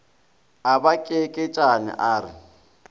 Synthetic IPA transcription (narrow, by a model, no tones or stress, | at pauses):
abakʼekʼɪt͡ʃʼanɪ̰ʔaːrɪ̰